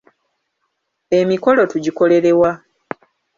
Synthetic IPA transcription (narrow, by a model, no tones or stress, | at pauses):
e̞miko̞lo̞tuɟiko̞le̞ɾe̞wa